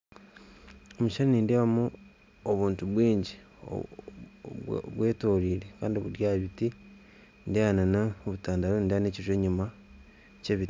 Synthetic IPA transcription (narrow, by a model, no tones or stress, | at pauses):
omuʃaɾiniːndeːβamu | oβuːntuβwiːɲɟi | o̰ | βwe̞ːtoːɾiːɾe̞ka̰ːndiβuɾjaβiti | ndajananaoβutaːndaɾonindaneːciʒweːɲuma | ce̞ːβiti